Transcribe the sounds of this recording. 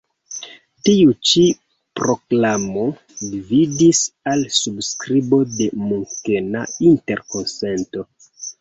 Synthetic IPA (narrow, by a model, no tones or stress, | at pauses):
tiut͡ʃi | pɾo̞klamo̞ | dividisalsubskɾibo̞de̞muŋke̞nainte̞ɾko̞nse̞nto̞